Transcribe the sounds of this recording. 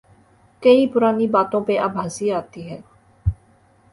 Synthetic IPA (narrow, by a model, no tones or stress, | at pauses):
kəĩːpʊɾaːniːbaːt̪õːpeːʔəbəsiːaːt̪iːɦɛː